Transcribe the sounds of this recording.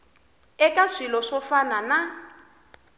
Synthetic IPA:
ɛkaʂilɔʂɔfanana

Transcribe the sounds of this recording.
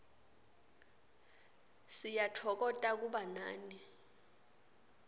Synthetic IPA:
sijatʰɔk̬ɔtʼak̬uɓanaːni

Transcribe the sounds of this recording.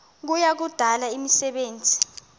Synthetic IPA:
k̬ujak̬ud̥ʱalaimisɛɓeːnd͡zʱi̥

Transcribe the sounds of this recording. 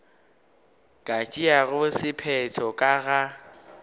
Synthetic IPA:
kʼat͡ʃʼiaɣʊsɪpʰɛtʰɔkʼaɣa

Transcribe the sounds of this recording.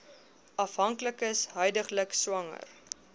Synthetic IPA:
ɐfɦɐŋkləkəsɦœjdəχləkswɐŋə̰r

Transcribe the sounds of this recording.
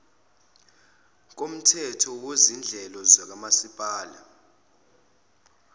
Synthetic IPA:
k̬ʼom̩tʰɛtʰɔwezind͡ɮʱɛlɔzak̬amasipʼaːla̰

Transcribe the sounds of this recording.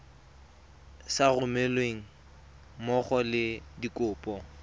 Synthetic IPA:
sarʊmelweŋ̩ | mɔχɔlɪdikʼʊːpʼɔ

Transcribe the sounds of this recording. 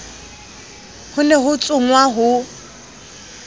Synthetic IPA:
hʊnɛɦʊt͡sʼʊŋwaɦʊ

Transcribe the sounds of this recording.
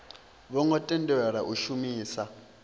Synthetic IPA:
βɔŋɡɔtʼɛndɛwɛɺaʔuʃumiːsa

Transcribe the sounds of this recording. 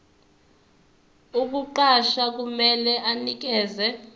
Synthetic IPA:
uk̬uǃaʃak̬umɛlɛʔanik̬ɛːzɛ

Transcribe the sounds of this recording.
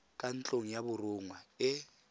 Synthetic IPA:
kʼant͡ɬʼoŋ̩jabʊrʊŋwaɪ

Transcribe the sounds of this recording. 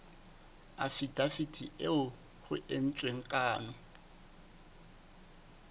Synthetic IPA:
afidafitʰiʔeʊ | ɣʊ̰ʔen̩t͡sʼweŋ̩kʼaːnɔ

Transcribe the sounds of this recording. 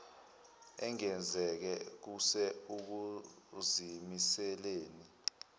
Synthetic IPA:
ɛŋɛnd͡zʱɛk̬ɛk̬usɛuk̬uzimisɛleːni

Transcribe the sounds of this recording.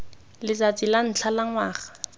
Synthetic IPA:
lɪzat͡sʼilan̩t͡ɬʰalaŋwaːχḁ

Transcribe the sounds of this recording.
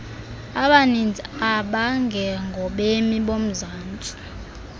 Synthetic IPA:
aɓanind͡zʱaɓaŋɡʱɛŋɡʱɔɓemiɓom̩zaːnt͡sʼi̥

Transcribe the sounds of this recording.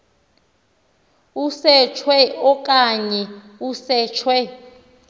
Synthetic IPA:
usɛt͡ʃʰwɛɔkʼaɲɛ | usɛːt͡ʃʰwɛ

